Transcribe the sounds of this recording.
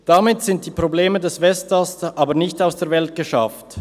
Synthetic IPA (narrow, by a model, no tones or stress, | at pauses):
d̥amɪtz̥ɪnt̚d̥iːpʁ̥obleːmədɛsvɛstasʔaːbənɪçtaʊsd̥eːɐvɛlt̚ɡ̥əʃa̰ft